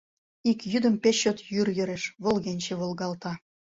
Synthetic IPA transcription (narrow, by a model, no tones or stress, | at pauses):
ikjyd̪ə̆mpeɕːot̪jyrjø̆ɾeʃβolˠɣenʲt͡ɕeβolɣɑlt̪ɑ